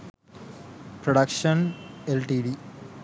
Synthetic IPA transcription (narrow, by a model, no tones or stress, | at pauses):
pɾoɽɐkʂɐnelʈiɖi